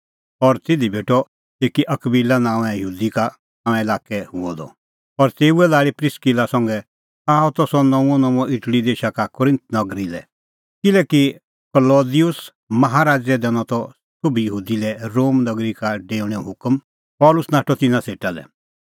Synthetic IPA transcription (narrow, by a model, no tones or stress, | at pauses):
ɔɾt̪ɪd̪ʱibʱeːʈɔ | eːkiʔɐkbilanãːʋɛ̃jəɦuːd̪ika | nãːʋ̃ɛ̃ɪlaːkɛhʊɔd̪ɔ̰ | ɔɾt̪eːuɛlaːɭipɾɪskilasɐ̃ŋɡɛ | aːɔt̪ɔsɔnɔ̃ũɔ̃nɔ̃ũɔ̃ʔɪʈɽid̪eːʃakakʊɾɪ̃nt̪̚nɔɡɾilɛ | kɪlɛki | kəloːd̪ijʊs | mɐɦaɾaːd͡ʒɛd̪ɛñɔt̪ɔ | sʊbʱijəɦuːd̪ilɛɾoːmnɐɡɾikaɖeːuɽ̃ɛɦʊkm | pɔːlʊsnaːʈɔt̪ɪnãseːʈalɛ̰